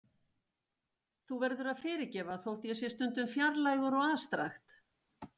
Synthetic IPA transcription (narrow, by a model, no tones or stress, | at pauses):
θuvɛɾðʏɾaðfɪːɾɪcɛːvaθowht̪jɛsjɛst̪ʏnt̪ʏmfjaɾlajɣʏɾɔɣaːst̪ɾa̰xt̪